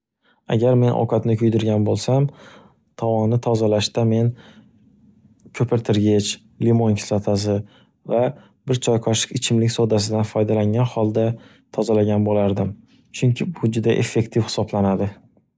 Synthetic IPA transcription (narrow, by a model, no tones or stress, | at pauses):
a̰ɡʲaɾme̞nʔɒ̰kʰat̪nɪkʰʲʊjd̪ɪɾɡʲanbolˠsam | t̪ʰɒwɒnnːɪt̪ʰɒzalaʃt̪ame̞n | kʲʰɵpʰɪɾt̪ʰɪɾɡʲet͡ʃ | limonʲkʲʰsat̪ʰasɪ | va | bɪɾt͡ʃʰɒjqʰɒʃɪ̥kʲɪt͡ʃʰɪmlɪkʲsod̪as̬ɪd̪anfɒjd̪alaŋɡʲanhɒlˠd̪a | t̪ʰɒzalaɡʲanbolaɾd̪ɪm | t͡ʃʰʊŋkʲʰɪbʊd͡ʒʊd̪aʔe̞fːe̞kt̪ʰɪfhɪ̥sɒblanad̪ɪ